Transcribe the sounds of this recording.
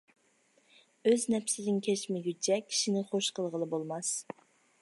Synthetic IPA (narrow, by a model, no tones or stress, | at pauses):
øznɛpsɪd̪ɪŋkʲʰɛt͡ʃmɪɡʲyt͡ʃʰɛkʲʰi̥ʃinɪχoʃqʰəlˠʁəlˠɨbolˠmɑs